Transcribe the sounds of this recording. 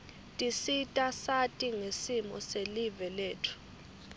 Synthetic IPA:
tʼisitʼasatʼiŋesimɔ̰selivɛleːtʰu̥

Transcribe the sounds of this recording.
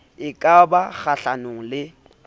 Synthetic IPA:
ɪkʼabak͡xaɬanʊŋ̩lɪ

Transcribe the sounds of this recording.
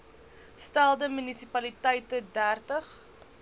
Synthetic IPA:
stælˠdəmynisipɐlitəjtədærtəχ

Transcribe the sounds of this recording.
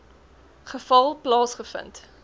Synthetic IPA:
χəfɐlˠplɑːsχəfə̰nt

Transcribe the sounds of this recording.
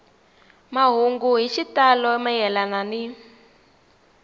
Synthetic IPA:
maɦuŋɡuɦiʃitalɔmajɛlanani

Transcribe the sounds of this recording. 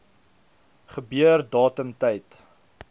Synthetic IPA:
χəbyərdɑːtəmtɛjt

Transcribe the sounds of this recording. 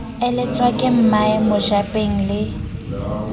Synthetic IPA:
ɪlɪt͡sʼwakʼɪm̩maɪmʊʒapʼeŋ̩lɪ

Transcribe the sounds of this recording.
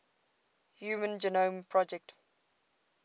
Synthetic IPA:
hjuːmə̃nd͡ʒɛnõmpʰɹɔd͡ʒɛk̚t

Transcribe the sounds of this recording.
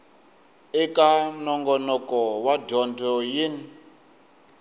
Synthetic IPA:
ɛkanɔŋɡɔnɔkɔwadɔndɔjin

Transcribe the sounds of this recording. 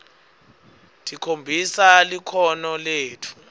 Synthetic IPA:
tʰʼikʰombʱisalikʰɔnɔleːtʰu̥

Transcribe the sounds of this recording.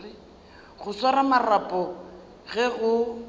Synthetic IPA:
rɪ | ɣʊswaɾamarapʼɔ | ɣɛɣʊ

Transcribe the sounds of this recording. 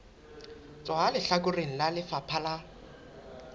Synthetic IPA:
t͡sʼɔɦalɪɬakʊreŋ̩lalɪfapʰala

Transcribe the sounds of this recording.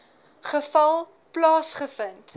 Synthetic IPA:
χəfɐlˠ | plɑːsχəfənt

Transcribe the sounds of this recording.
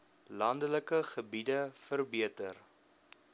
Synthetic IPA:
lɐndələkəχəbidəfərbiətər

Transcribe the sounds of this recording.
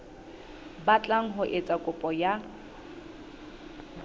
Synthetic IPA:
bat͡ɬʼaŋ̩ɦʊʔet͡sʼakʼʊpʼɔja

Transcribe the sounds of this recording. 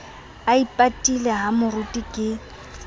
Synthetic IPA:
aipʼatʼilɛɦamʊrutʼikʼɪ

